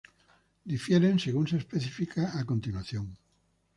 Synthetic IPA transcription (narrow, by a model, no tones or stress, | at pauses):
d̪ifjeɾenseɣunseːspeθifikaako̞nt̪inwaθjõŋ